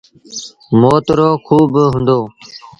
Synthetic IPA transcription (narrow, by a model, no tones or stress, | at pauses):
moːt̪ɾoːkʰuːbɦʊ̃nd̪oː